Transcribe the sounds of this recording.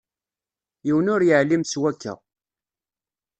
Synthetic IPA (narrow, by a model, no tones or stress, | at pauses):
jiwənʊɾjəʕlimswækːæ̰